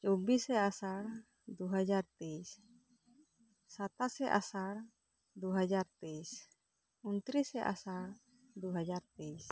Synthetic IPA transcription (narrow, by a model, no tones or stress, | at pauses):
t͡ʃɔbisɛasaɾ | d̪uɦad͡ʒaɾt̪ejs | sat̪asɛʔasaɾ | d̪uɦad͡ʒaɾt̪es | unt̪ɾisɛʔa̰saɾ | d̪uɦad͡ʒaɾt̪ejs